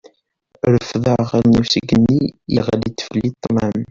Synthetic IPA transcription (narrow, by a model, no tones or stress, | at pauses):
ɾəfðəʁlnusəɡənːijiʁlit̪ːə̥flit̪ˤːnam